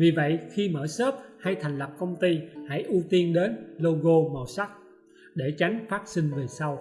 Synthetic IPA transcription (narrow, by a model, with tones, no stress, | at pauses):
vi˨˩və̰˧˨jxi˧məː˧˩səː˦˥p̚ha˧jt̪ʰa˨˩jŋ̟la˨˩p̚kə˧wŋ͡mt̪i˧ha̰˧˥˨jʔu˧t̪i˧ənɗe˨˦nlo˧ɣo˧mə̰˨˩sa˦˥k̚ | ɗe˧˩t͡ɕa˨˦jŋ̟faː˦˥t̚sï˧ŋ̟ve˨˩sa˧w